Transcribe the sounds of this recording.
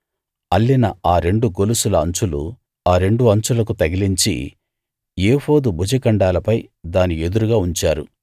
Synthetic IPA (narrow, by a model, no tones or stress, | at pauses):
ɐlːinɐaːɾe̞ɳɖuɡo̞lusulɐɐɲt͡ʃulṵ | aːɾe̞ɳɖuɐɲt͡ʃulɐk̬ut̪ɐɡiliɲt͡ʃḭ | jeːhoːd̪ubud͡ʒɐkɐɳɖaːlɐpɐjd̪aːnied̪uɾuɡaːuɲt͡ʃaːɾu